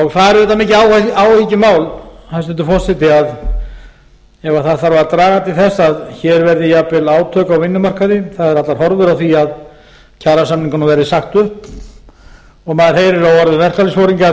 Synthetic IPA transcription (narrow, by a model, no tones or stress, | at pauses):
ɔɣfaðɾɪðɛt̪ːamiːcɪaːwaːwhicɪmaːwlhaɛnst̪ɛnt̪ʏ̥fɔr̥sɛt̪ɪað | ɛvaθaðθaɾvaɾat̪ɾaːɣat̪ʰɪlθɛsaðçɛɾvɛɾðɪjapɪlaːwt̪ʰœːkawvɪnːʏmar̥kaðɪθaðɛɾat̪laɾ̥hɔɾðʏɾawθiað | cʰaːɾasamniŋkanavɛɾðɪsaxt̪ʏhp | ɔɣmaːðɪɾ̥heːjɾɪɾawɔɾðʏvɛr̥klalɪsfowɾiŋka